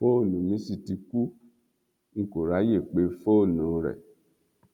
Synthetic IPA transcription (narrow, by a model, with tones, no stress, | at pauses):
fo˦˨nũ˨mĩ˨˦si˦˨ti˧ku˦ | ŋ̩˨ko˨ɾa˨˦je˦˨k͡pe˨˦fo˦˨nũ˨ɾɛ̰˨